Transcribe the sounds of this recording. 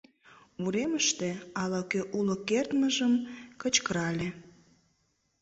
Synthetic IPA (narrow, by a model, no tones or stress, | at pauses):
uɾeməʃt̪eɑlɑkøʔulokert̪məʒəmkət͡ɕkəɾɑlʲe